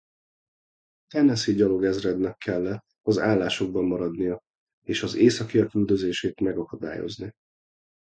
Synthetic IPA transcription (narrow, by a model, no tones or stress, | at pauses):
t̪ɛnɛsiɟɒlo̞ɡɛzrɛd̪nɛkʰːɛlːɛ | ɒzaːlːaːʃo̞ɡ̚bɒmːɒɾɒd̪nijɒ | eːʃɒzeːsɒkijɒkyld̪ø̞zeːʃeːt̪mɛɡɒkɒd̪a̰ːjo̰zni